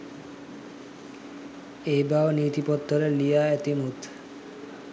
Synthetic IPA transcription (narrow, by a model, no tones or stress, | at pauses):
ejbaonit̪ipot̪ːoɾeɾlijaɛt̪imut̪